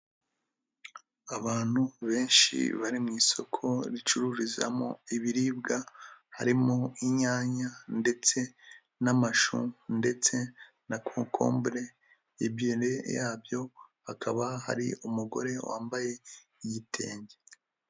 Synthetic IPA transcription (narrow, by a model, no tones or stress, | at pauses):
aβaːn̥huβe̞ːnʃḭβaɾimŋiːso̞kʰo̞ɾit͡ʃuɾuːɾiza̰mo̰iβiɾiːb̚ɡahaɾimoiɲaːɲande̞t͡se̞ | namaʃṵnde̞t͡se̞ | nakʰoːŋkʰo̞̰ːmbɾe̞ | ibjiɾe̞jaːbjo̞hakʰaβaha̰ɾḭumuɡo̞̰ɾe̞wa̰ːmbaje̞ | iɟitʰe̞̰ːɲɟe